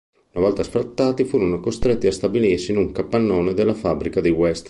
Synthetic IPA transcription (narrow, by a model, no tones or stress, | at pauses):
unavɔlt̪asfɾat̪ːaːt̪ifuːɾonokost̪ɾet̪ːiast̪abilirsinuŋkapːanːoːned̪elːafabɾikad̪ewɛst̪